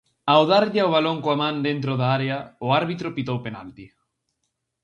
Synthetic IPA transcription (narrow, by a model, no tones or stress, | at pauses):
aoðaɾʎɪoβ̞aloŋkoamãnd̪ent̪ɾoðaaɾeaʊaɾβit̪ɾʊpit̪owpenalt̪i